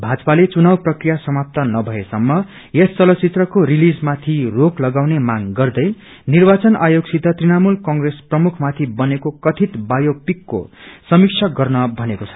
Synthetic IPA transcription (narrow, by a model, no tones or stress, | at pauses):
bʱad͡zʌpalet͡sunawprʌkrijasʌmap̚t̪ʌnʌbʱʌesʌmːʌ | est͡sʌlʌt͡sit̪rʌkorilid͡zmat̪ʰiroklʌɡawnemaŋɡʌrd̪ʌj | nirbat͡sʌnajoɡsʰid̪ʱʌt̪rinamulkʌŋɡresprʌmukʰmat̪ʰibʌnekokʌt̪ʰit̪bajopikːo̰sʌmiksʰʌɡʌrnʌbʱʌnekot͡sʰʌ̥